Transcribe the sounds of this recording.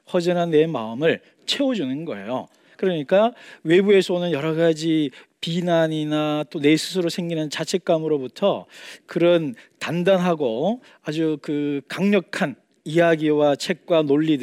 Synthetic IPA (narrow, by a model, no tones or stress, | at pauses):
ɸwʌd͡ʑinanːe̞ma̰ɯmɯɭ | t͡ɕʰe̞od͡ʑunɯnɡʌ̰e̞̰jo̰ | kɯɾʌɲik͈awe̞bue̞sʰʌonɯnjʌɾʌɡad͡ʑi | pinaɲinat͈one̞sʰɯ̥s̬ʰɯɾosʰe̞ŋɡinɯnt͡ɕat͡ɕʰe̞k̚k͈amɯɾobutʰʌkɯɾʌntandanɦaɡo | ad͡ʑukɯkaŋɲʌkʰan | ijaɡiwat͡ɕʰe̞k̚k͈wanoʎːid